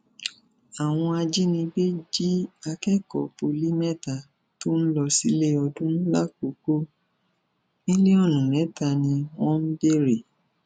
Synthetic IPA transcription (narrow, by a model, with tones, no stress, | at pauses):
a˨w̃ɔ̃˧a˧d͡ʒi˦nĩ˧be˦d͡ʒi˦a˧kɛ˦kɔ˨po˧li˦mɛ˦ta˨ | to˦n̩˦lɔ˧si˧˦le˦ɔ˧dũ˦ñ̩˦la˦ko˨˦ko˦ | nĩ˦le˦ɔ˦˨nũ˨nɛ̃˨˦ta˧˨nĩ˧w̃ɔ̃˦n̩˦be˦˨ɾe˨